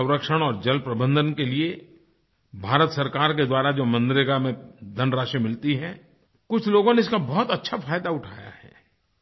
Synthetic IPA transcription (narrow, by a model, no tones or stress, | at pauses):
ə̃ʊ̃ɾəkʃəɽ̃ɔːɾd͡ʒɐlpɾɐbə̃nd̪ʱənkelie | bʱaːɾət̪sɐɾkaːɾk̬ed̪waːɾad͡ʒoːmɐ̃nd̪ɾɪɡamẽd̪ʱɐnɾaːʃimɪlt̪iɦɛ̃ | kʊt͡ʃʰloːɡõneɪskabɔːʊt̪ɐtːʃʰafʰaːjd̪aʊʈʰaːja̰hɛ̰ː